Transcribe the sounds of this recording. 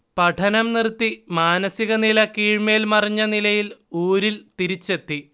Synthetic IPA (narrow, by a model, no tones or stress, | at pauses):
pɐʈʰɐnɐmnirt̪ːimaːnɐsiɣɐnilɐkiːɻmeːlmɐriɲːɐnilɐjiluːɾilt̪iɾit͡ɕːe̞t̪ːi